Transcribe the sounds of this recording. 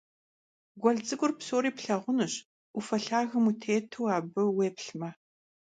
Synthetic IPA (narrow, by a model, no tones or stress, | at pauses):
ɡʷɔɮt͡sʼɨɡʷʼʊrpsoːɾiːpɬɐʁʷʊnɨɕ | ʔufɐɬaːɣɐmutʰeːtʰuwaːbɨweːpɬmɐ